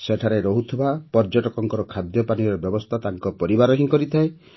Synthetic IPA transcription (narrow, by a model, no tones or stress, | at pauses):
seʈʰaɾeɾɔɦut̪ʰɔbapɔɾd͡ʒɔʈɔkɔŋkɔɾɔkʰad̪jɔpaniɾɔbjɔbɔst̪ʰat̪aŋkɔpɔɾibaɾɔɦĩŋkɔɾit̪ʰae